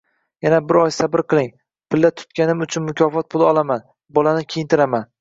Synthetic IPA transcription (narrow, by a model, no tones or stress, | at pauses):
janabɪɾɒjsabɪɾqʰɨlˠɪŋ | pʰɪld̪ːat̪ʰʊ̥t̪̚kʲanɪmʊt͡ʃʰʊnmʊkʲʰɒfɒt̪̚pʰʊlˠɪɒlˠaman | bɒlanɪkʲʰejɪnt̪ʰɪɾaman